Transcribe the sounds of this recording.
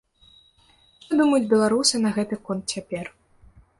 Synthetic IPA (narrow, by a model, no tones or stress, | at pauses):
ʂt̪ɔd̪umɐjud͡zʲbʲɛlˠaɾusɨnɐɣɛt̪ɨkɔnt̪̚t͡sʲapʲɛr